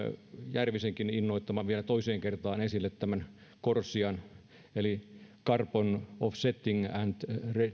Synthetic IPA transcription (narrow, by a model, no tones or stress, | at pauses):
jærʋiseŋkininːoit̪ːɑmɑʋielæt̪oiseːŋkert̪ɑːnesilːet̪t̪æmæn | korsiɑn | elikɑrponofset̪ːiŋænt̪re